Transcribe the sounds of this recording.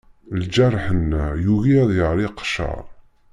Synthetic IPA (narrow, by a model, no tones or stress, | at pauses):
ld͡ʒærˤħənːæjuɣiæðˤjəʁɾiqːʃɑ̰ɾˤ